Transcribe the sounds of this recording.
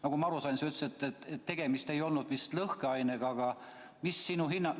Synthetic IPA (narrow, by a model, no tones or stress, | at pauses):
nɑɡ̥umɑɾusɑjnseyt̪ːset̪ˑːet̪etːe̞ɡ̥e̞mist̪e̞jo̞lnud̪̥mist̪lɤhkeɑjneɡ̥ɑɡ̥ɑ | misːinuɦinːɑ